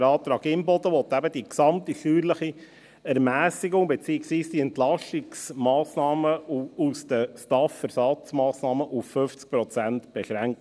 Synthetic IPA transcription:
ɾɑːt̪ɾɑːɡɪmbɔd̪əʋɔt̪æbəd̪iksɑmt̪iʃyːɾləχi | æɾmæːsiɡʊŋbɛt͡siːəksʋiːsd̥iɛntlɑʃɪksmɑːsnɑːməusd̥̪əʃtɑfɛɾsɑt͡smɑːsnɑːməʔuffʏft͡sk̚pɾɔt͡sæntb̥ɛʃɾæŋk

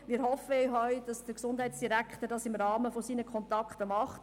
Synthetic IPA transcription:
mɪːɾɦɔfəɦœʏd̥ɑsd̥əksʊnd̥ɦɛɪtsd̥iɾækχtəɾdɑsɪmrɑːməfɔsiːnəkʰχɔntɑkχtəmɑχt

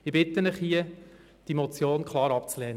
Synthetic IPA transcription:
ɪbɪt̪ənɪχhiə | d̥imɔt͡sjoːnkʰlˠɑːɾɑpt͡slɛːnə

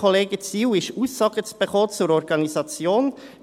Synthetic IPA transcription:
oleːɡət͡siːwɪʃuːsːɑːɡ̥ət͡sb̥eχoːt͡suɾɔɾɡɑnizɑt͡sjoːn

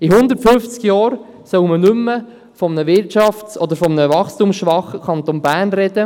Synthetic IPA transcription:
iɦʊnd̪əɾtfʏft͡skjɑːɾ | sœwmənʏmːə | fɔmənəʋɪɾtt͡ʃɑfsɔd̪əɾfɔmənəvɑχstumsʃʋɑχəkʰɑnt̪onbæːrnɾɛd̪ə

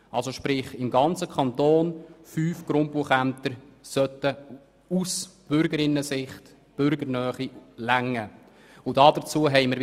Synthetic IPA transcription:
ʔɑlsoʃpɾɪχɪmɡɑnt͡səkʰɑnt̪oːnfyːfɡ̥ɾʊmpuəχæmt̪əɾsœtə | usb̥ʏɾɡəɾɪnːəsɪχt | b̥ʏɾɡəɾnœːχilæŋːə | ʊd̥ɑːd̥ət͡suəɦɛɪməɾ

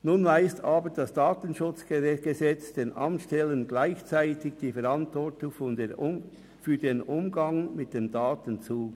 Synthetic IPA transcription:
nunvaɪstɑːbəɾd̥ɑsd̥aːtənʃʊt͡sɡ̥ezɛt͡sd̥eːnʔɑ̰mtʃtɛlənɡlaɪçt͡saɪtɪɡd̥iːfɛɾɑntvɔɹtʊŋfɔne | fyːdeːnʊmɡɑŋmɪt̚d̥eːmdɑːtənt͡suː

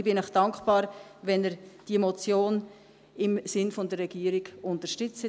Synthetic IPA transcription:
bɪnɛχd̥ɑŋkχb̥ɑːɾʋɛnɛɾd̥imɔt͡sjoːn | ɪmsɪnfɔndərːɛɡ̥iːəɾiɡ̥ʊntəʃtʏt͡sə

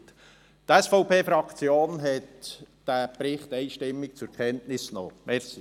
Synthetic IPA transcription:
t | t̪ɛsfɔʊpʰeːfɾɑkt͡sjoːnɦɛt | d̥æpɾɪχt̪ɛɪʃtɪmːɪk̚t͡sʊɾkʰɛntnɪsno̰ːmɛɾsi

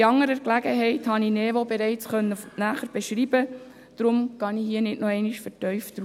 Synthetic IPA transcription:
iɑŋːəɾəklæɡəɦɛɪthɑninɛʋobɛɾɛɪt͡sχœnːənæːχəɾb̥ɛʃɾiːb̥ə | d̥ɾʊmkɑnihiːənɪtnɔɛɪniʃfəɾtœʏfd̥̪ɾ

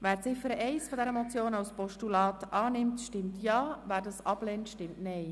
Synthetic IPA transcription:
ʋæːɾt͡sɪfəɾəʔɛɪsfɔd̪ɛɾəmɔt͡sjoːnɑwspɔʃtulɑːtɑːnɪmtʃtɪmtjɑːvæːɾdɑsɑblɛːntʃtɪmtnɛɪ

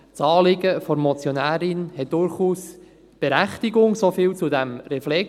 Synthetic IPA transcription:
t͡sɑːlɪɡəfɔɾmɔt͡sjonæːɾɪnhɛt̚d̥ʊɾχuːs | b̥ɛɾæχtɪɡʊŋsofɪːlt͡sudæmɾɛflɛk

